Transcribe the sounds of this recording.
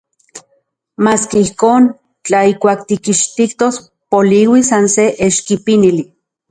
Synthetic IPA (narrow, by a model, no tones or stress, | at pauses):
maːskeihkoːn | t͡ɬaikʷaːk̚t̪ikiʃt̪ikt̪os | poliwisanseʔeʃkipinili